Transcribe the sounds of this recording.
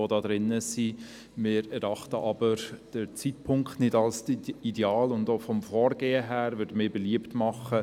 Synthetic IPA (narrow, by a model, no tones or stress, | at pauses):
odɑːd̥̪ɾɪnːəsi | mɪːɾɛɾɑχtəʔɑb̥əɾd̥ət͡sitpʰʊŋkχtnɪdɑlsideɑːlʊndoːfɔmfɔːɾɡ̥eːəɦæːɾvʏdəmɪːbeliəptmɑχə